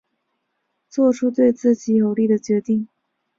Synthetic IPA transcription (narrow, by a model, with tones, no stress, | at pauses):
t͡swɔ˥˩ʈ͡ʂʰu˥t̪̬we˥˧ɪt͡sɹ̩˥˩t͡ɕi˧˥o˧˥ʊli˥˩d̪ə˩t͡ɕɥɛ˧˥t̪i˥˩ŋ